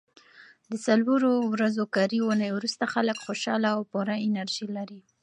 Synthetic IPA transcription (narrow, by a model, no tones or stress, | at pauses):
d̪əsalwoɾowɾazokɑɾiwunajwɾust̪axaləkxoʃɑlaawpoɾaɪnaɾʒilaɾi